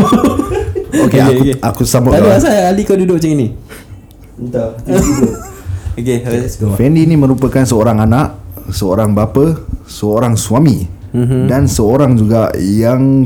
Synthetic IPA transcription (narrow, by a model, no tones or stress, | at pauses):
okekukeakusamataasajaːlikədudʊʔ̚t͡ʃəŋini | t̪o | okefɛndiːnimə̃ɾupəkansəoɾaŋanaʔsəoɾaŋbapəsəoɾaŋswami | dansəoɾaŋd͡ʒuɡajaŋ